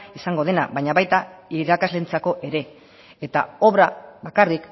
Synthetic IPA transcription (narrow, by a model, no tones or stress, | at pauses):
isaŋɡo̞ð̞e̞na̰βajɲaβajt̪aiɾakazle̞nt͡sako̞ʔe̞ɾe̞ | et̪a̰o̞βɾaβakarik